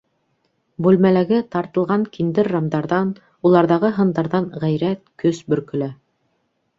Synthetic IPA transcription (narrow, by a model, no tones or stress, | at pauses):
bʉlmælæɡɘt̪ɑɾt̪ɤ̆lˠʁɑŋkind̪ɘɾːɑmd̪ɑɾðɑn | ulˠɑɾðɑʁɤɦɤ̆nd̪ɑɾðɑɴʁæjɾæt̪̚kɵsbɵ̆ɾkɵ̆læ